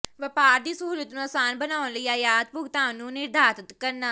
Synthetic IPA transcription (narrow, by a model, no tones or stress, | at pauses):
ʋəpaːɾd̪iːsəɦuːlət̪nũɐsaːnbənaːʊ̃nləiajaːd̪̚pʊɡt̪aːnũːnɪɾd̪ʱaːt̪ət̪kɐɾnaː